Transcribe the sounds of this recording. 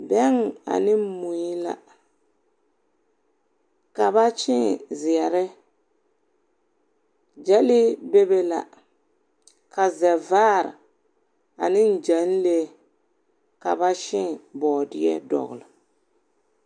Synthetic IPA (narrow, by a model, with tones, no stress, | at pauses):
bɛ˦ŋ˨a̰˨nɪ˦mu˨i˦la̰˨ | ka˨ba˦t͡ʃɪ˦˨zɪ˨ɛ˨ɾɨ˦ | d͡ʒɛ˦li˦be˦be˦la̰˨ | ka˨zɛ˨vaː˦˨ɾɨ̰˨ | a˨nɪ˦n˦˨d͡ʒa˨˦n˦le˦ | ka˨ba˦ʃɪ˦ŋ˨bɔː˨dɪ˦jɛ̰˦dɔ̰˨ɣʊ̰˨lɨ˨